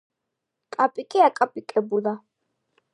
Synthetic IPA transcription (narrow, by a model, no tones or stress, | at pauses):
kʼapʼikʼiakʼapʼikʼɛbula